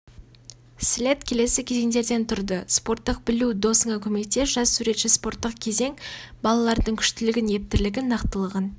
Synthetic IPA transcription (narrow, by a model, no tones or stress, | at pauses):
slʲe̞t̪kʲʰe̞le̞sɪkʲʰe̞zeŋd̪e̞ɾd̪e̞nt̪ʰʊɾd̪əspo̞rt̪ːəq̚bɪlud̪o̞səɴɑkʲʰɵme̞t̪ːe̞ʒ̥ɑssuɾe̞t̪ʃɪspo̞ɾt̪ːəq̚kʲʰe̞ze̞ŋbɑlˠɑlˠɑɾd̪əɴkʲʰʏ̥ʃt̪ɪlɪɡʲɪnje̞p̚t̪ɪɾlɪɡʲɪnɑqt̪əlˠəʁən